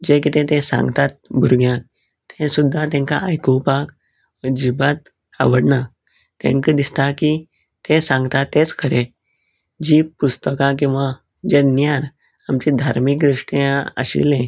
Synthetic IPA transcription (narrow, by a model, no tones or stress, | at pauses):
d͡ʑek̬it̪ɛ̃t̪ẽsã̰ŋɡt̪at̪̚bʱuɾɡjãk̚ | t̪ʰɛ̃sud̪ʱːãt̪ɛ̃ŋka̰a̰jkupak | ʋəd͡ʑibat̪ | a̰ʋəɽɳa | t̪ḛ̃ŋkəd̪ist̪aki | t̪ẽsãŋɡt̪at̪ːẽt͡skʰəɾẽ | d͡ʑiːpust̪əkãk̬ĩw̃ʋa | d͡ʑenjaɾ | amt͡ɕid̪ʱaɾmikd̪ɾiʂʈãə̰ɕḭlẽ